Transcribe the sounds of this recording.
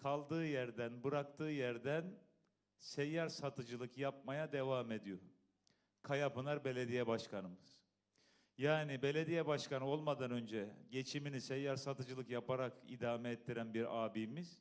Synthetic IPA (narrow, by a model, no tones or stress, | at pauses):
kʰalˠd̪ɯːjæɾd̪ænbɯɾakt̪ʰɯːjæɾd̪æn | sɛjːaɾsat̪ʰɯd͡ʒɯlˠɯkjap̚majad̪e̞vaːme̞d̪ijo | kʰajapɯnˠaɾbe̞lʲe̞d̪ijɛbaʃkʰanɯmɯz̥ | jaːnibe̞lʲe̞d̪ijɛbaʃkanɯo̞lˠmad̪anø̞nd͡ʒɛɟe̞t͡ʃʰiminisɛjːaɾsat̪ɯd͡ʒɯlˠɯkjapaɾakḭd̪aːmɛɛt̪ʰːiɾænbiɾaːbiːmiz̥